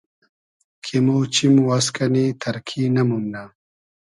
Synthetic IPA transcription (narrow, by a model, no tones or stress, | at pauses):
kʰimoːt͡ɕimwɐskɐnit̪ʰɐɾkʰinɐmumna